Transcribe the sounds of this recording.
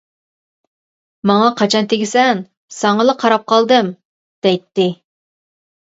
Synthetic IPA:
mɑŋɑqʰɑt͡ʃʰɑnt̪ʰeɡʲɪsɛn | sɑŋəlˠəqʰɑɾɑp̚qʰɑlˠd̪ɨm | d̪̥ɛjt̪ːɪ

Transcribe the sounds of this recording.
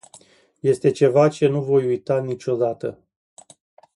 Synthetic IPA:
je̞st̪e̞t͡ʃe̞vat͡ʃe̞nuvo̞jujt̪anit͡ʃʲo̞d̪at̪ə

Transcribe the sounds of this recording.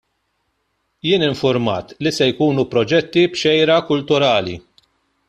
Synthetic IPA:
jɪːnɪɱfʊɾmɐ̰ːt̪lisɛjkuːnupɾɔd͡ʒɛt̪ːibʃɛjɾɐkʊlt̪ʊɾɐːlḭ

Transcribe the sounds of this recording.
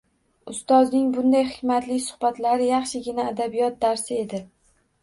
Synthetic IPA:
ʊst̪ɒznɪŋbʊnd̪ajχɪkʲmat̪lɪsʊ̥hbat̪laɾɪjɑχʃɪɡʲɪnaːd̪abijɒt̪̚d̪aɾsɪe̞d̪ɪ

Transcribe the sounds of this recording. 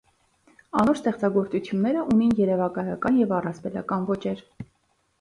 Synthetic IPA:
ɑnɔɾst̪ɛχt͡sɑɡɔɾt͡sut͡sʰjunːɛɾəʔuninjɛɾɛvɑkɑjɑkɑnjɛvɑrɑspɛlɑ̰kɑnvɔt͡ʃɛɾ

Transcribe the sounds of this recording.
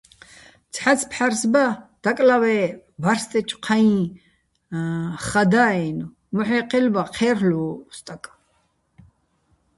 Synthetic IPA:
t͡sʰħat͡sʰpʰħaɾsbad̪̥akʼlawɛvaɾst̪ʼɛt͡ʃʼqʰaĩ | χad̪aːɛnu | mɔħɛqʰʼilbaqʰɛːɾluːst̪ʼakʼ

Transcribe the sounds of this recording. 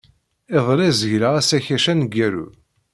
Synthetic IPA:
eðˤlæzəʝɾaʁæsæçæʃænɡːæɾṵ

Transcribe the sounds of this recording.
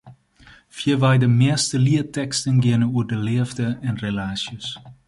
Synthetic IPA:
fiəʋɛjdəmɪəstəliətɛkstənɡɪənəuərdəlɪəvdəɛnrelaːsjəs

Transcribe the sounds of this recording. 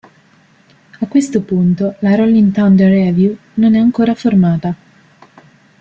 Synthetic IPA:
akːwest̪opunt̪olaɾɔlːint̪and̪ərɛvju | nonɛaŋkoːɾaformaːt̪a

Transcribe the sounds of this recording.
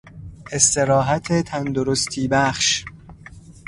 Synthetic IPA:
e̞st̪e̞ɾɒːɦæt̪ʰet̪ʰænd̪oɾost̪ʰiːbæχʃ

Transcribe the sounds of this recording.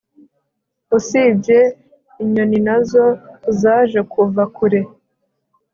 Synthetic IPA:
usibɟe̞ | iɲo̞ninazo̞zaːʒe̞kʰuvakuɾe̞

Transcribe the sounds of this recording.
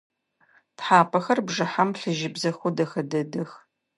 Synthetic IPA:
tħaːpʰɐxɐrbʐɨħamɬɨʒɪbzɐxʷʊdɐxɐdɐdɨx

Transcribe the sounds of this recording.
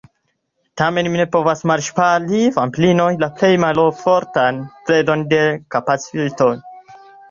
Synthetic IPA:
tame̞nmine̞po̞vasmaɾʃpalifamplino̞jlaple̞jmalofoɾtanpɾedo̞nde̞kapat͡sitoj

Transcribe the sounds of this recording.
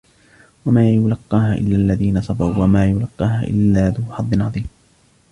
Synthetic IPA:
wamaːjʊlɑqːɑːhaʔɪ̰lːaːʔlːaðiːnasˤɑbawwamaːjʊlɑqːɑːhaʔɪ̰lːaːðʊħɑd̪ˤːɨnʕɑðˤiːm

